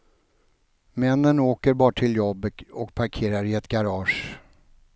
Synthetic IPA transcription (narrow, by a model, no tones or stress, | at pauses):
mɛnːənoːkəɾbɑːʈʰɪljɔbːəɔk̚pʰaɾkʰeːɾaɾɪɛt̪ɡaɾɑːʂ